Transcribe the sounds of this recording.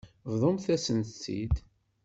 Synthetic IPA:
vðˤomθæsənt̪t͡sːḭd̪

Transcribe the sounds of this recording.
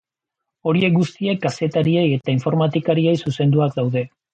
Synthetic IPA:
o̞ɾie̞k̚ɡust̪ie̞kɡase̞t̪aɾieje̞t̪aiɱfo̞ɾmat̪ikaɾie̞jsuse̞nd̪uak̚d̪awðe̞

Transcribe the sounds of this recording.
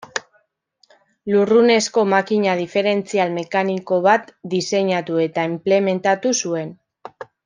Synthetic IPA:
lurune̞sko̞makiɲað̞ife̞ɾe̞nt͡sialme̞kaniko̞βat̪d̪ise̞ɲat̪ue̞t̪aimple̞me̞nt̪at̪usue̞n

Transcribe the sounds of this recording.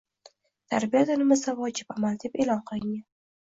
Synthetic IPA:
t̪ʰaɾbijad̪anɪmɪzavɒd͡ʒɪpamald̪epelɒnqʰɨlˠɪŋʲan

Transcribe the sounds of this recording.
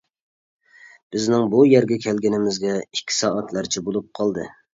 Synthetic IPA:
b̥ɪznɪŋbujɛɾɡʲɛkʲʰɛlɡʲɪnɪmɪzɡʲɛikʲʰːi̥sɑːɛt̪læɾt͡ʃʰibolˠup̚qʰɑlˠd̪ɨ̰

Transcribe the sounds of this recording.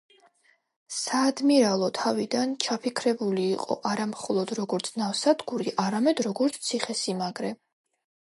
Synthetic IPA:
saːd̪miɾalˠɔt̪ʰavid̪ant͡ʃʰapʰikʰɾɛbuliːqʼɔ̰ʔaɾamχɔlˠɔd̪ɾɔɡɔɾt̪sʰnafsad̪ɡuɾiʔaɾamɛd̪ɾɔɡɔɾt̪sʰt̪sʰiχɛsimaɡɾɛ

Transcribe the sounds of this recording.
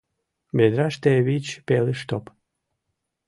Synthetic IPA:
bed̪ɾaʃt̪eβit͡ɕpeleʃt̪op

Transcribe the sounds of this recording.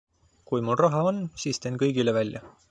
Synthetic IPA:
kujmulrɑɦɑo̞nːsiːst̪e̞nkɤjɡ̥ile̞vælʲjɑ

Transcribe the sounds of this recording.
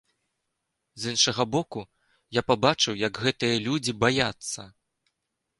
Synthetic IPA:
zɨnʂɐɣɐbɔku | japabat͡ʂɨwjɐɡɣɛt̪ɨjɐlʲud͡zʲibajat̪sːɐ

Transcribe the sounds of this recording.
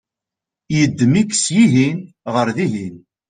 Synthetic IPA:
jəd̪ːmikːsjiɦin | ʁəɾðiɦin

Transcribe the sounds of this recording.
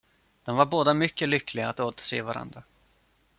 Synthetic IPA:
d̪̥ɛnvaɾboːd̪amʏkːəlʏkʰːlɪɡaːt̪oːt̪ə̥sḛːvaɾʔa̰nd̪ɾa

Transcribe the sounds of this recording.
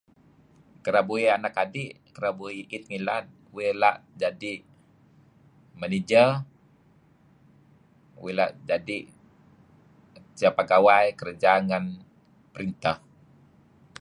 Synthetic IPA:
kəɾabuianakadiʔ | kəɾabuiʔit̪̚ŋilat̪̚wilaʔd͡ʒadiʔ | mənid͡ʒə | wila̰ʔd͡ʒadiʔ | siapaɡawajkəɾəd͡ʒaŋan | pəɾint̪ah

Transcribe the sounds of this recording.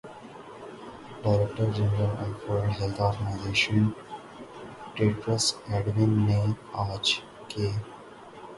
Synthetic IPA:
ɖaɪɾek̚ʈəɾd͡ʒɛnɾəlɔːfəɾɖɦelt̪ʰɔːɾɡənaɪzeːʃə̃n | ʈeːʈɾəsɛɖʋɪnːẽ | aːt͡ʃ | keː

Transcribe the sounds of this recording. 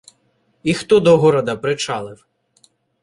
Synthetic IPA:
ixt̪ɔd̪ɔɦɔɾɐd̪ɐpɾɪt͡ʃɑlˠɪw

